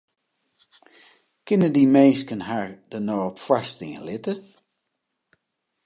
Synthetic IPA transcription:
kɪnədimejskənɦaːɹd̥ənoɔpfwastɪŋə̰lɪtə

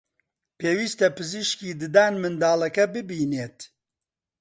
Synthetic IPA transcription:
peːwiːst̪ɐpɨziʃkiːd̪ɨd̪aːnmɨnd̪aːlɐkɐbɨbiːneːt̪

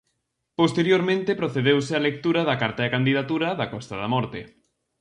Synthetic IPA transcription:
post̪eɾjoɾmẽnt̪epɾoθeðewsɪalek̚t̪uɾɐðɐkaɾt̪aekand̪iðat̪uɾɐðɐkɔst̪ɐðamɔɾt̪e

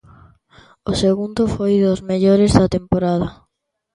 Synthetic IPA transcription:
ʊseɣund̪ʊfojðʊzmeʎoɾezðɐt̪empoɾaðɐ

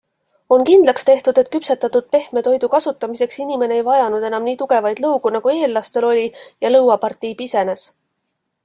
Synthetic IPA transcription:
o̞nkind̪̥lɑkst̪e̞ht̪ud̪̥e̞t̪̚kypset̪ːˑɑt̪ːud̪̥̚pe̞hme̞t̪o̞jd̪ukɑsut̪ːˑɑmise̞ksinime̞ne̞ejvɑjɑnud̪̥e̞nɑmniːt̪uɡ̥e̞vɑjd̪̥lɤwɡ̥unɑɡ̥ue̞ːlːɑst̪e̞lo̞lʲijɑlɤwɑpɑrt̪ˑijbise̞ne̞s

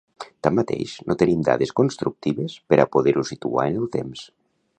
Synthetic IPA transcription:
t̪amːat̪ḛjʃnʔot̪enimd̪a̰ðeskonst̪ɾuk̚t̪iβespeɾʔapoðeɾusit̪ṵa̰enelˠt̪ems

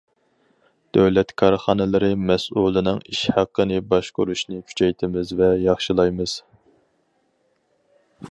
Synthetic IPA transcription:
d̪̥øwlɛt̪kʰɑɾχɑnɨlˠɨɾɨmɛsʔulˠɨnɨŋiʃhæqːənɨbɑʃqʊɾuʃnɨkʲʰy̥t͡ʃʰɛjt̪ʰɪmɪzvɛjɑχʃilˠɑjmɨz̥

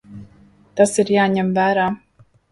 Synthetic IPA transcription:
t̪asiɾjaːɲɛmvæːɾaː

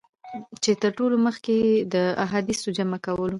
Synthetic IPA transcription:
t͡ʃet̪əɾʈoloməxked̪əaɦad̪isod͡ʒamakawəlo

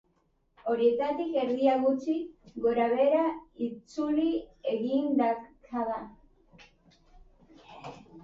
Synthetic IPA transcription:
o̞ɾie̞t̪at̪ike̞ɾðiaɣut͡ʃiɣo̞ɾaβ̞e̞ɾait͡sulieɣind̪akʰaða

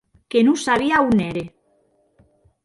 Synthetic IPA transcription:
kenusaβiauneɾe

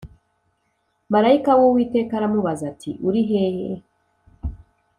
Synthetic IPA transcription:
maɾaikawowiːte̞ːkaɾamuβazatʰḭʔuɾiɦehe

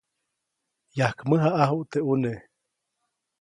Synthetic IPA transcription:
jahkməɦaʔaɦuʔt̪eʔune

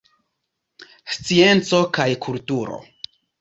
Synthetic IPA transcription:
st͡sie̞nt͡so̞kajkʰultuɾo̞̰

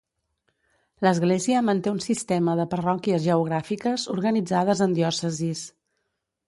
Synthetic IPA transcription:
ləzɣleziəmənt̪eunsist̪ɛməðəpərɔkiəzʒəuɣ̞ɾafikəzuɾɣənid͡zað̞əzənd̪iɔsəzis

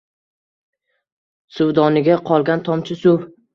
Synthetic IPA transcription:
sʊwd̪ɒnɪɡʲaqʰɒlˠɡʲant̪ʰɒmt͡ʃʰɪsʊw

